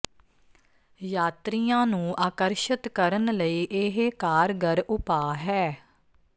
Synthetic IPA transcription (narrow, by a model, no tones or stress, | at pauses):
jaːt̪ɾijãːnũːʔaːkəɾʃɪt̪kəɾənləiːʔɪɦekaːɾɡəɾʔʊpaːɦɛː